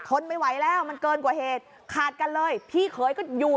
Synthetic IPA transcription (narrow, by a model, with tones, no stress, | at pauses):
k̪ʰo˧nma˧˩jwa˩˦jlɛː˦˥˩wma˧nkɤː˧nkwaː˨˩heː˨˩t̪̚ | kʰaː˨˩t̪̚ka˧nlɤː˧jpʰiː˥˩kʰɤː˩˦jkɔː˥˩juː˨˩